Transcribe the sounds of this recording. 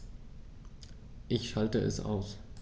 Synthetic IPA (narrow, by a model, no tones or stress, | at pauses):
ʔɪçʃaltəʔɛ̰sʔa̰ʊs